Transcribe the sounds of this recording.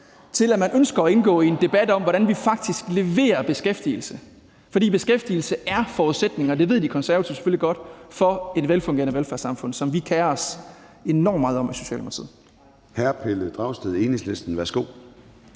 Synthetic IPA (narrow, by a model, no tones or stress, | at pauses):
t͡sʰe̝læmænʔønsɡ̥ɐɒe̝nɡ̥ɔ̰ːiend̥e̝b̥æd̥ɒ̽mʋɒɾænʋifɑ̈ɡ̥̚d̥isɡ̥le̝ʋe̝̰ːɐb̥e̝sɡ̥efd̥il̩sə | fɒ̽dḭːb̥e̝sɡ̥efd̥il̩səʔæɐfɒːuðˠsed̥ne̝ŋɐɒd̥e̝ʋe̝ð̰ˠd̥ikʰɒ̽nsæɐʋæt͡sʰiʊse̥føliɡ̥ɒ̽d̥fɒ̽e̝d̥ʋelfɔ̽ŋɡe̝ɐnəʋelfæɐsɑ̈mfɔ̽n̰sɒ̽mʋikʰæːɐɒs | e̝nɒ̰mːɑːð̞̩ˠɒ̽miso̝ɕɛ̰ːlmʰt͡sʰið̰ˠ | hæɐpʰeləd̥ʁɑ̈ʊsd̥eðˠe̝neŋslesd̥n̩ʋæɐsɡ̥o̝̰ː